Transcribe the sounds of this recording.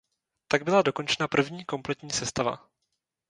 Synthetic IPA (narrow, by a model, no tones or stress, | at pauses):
t̪aɡ̚bɪlado̞ko̞nt͡ʃɛnapr̩vɲiːko̞mplɛt̪ɲiːsɛst̪ava̰